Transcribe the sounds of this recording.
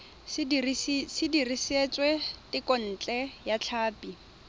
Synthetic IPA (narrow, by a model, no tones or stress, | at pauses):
sɪdiriset͡sʼwɛtɪkɔn̩ːt͡ɬʼɛjat͡ɬʰaːpi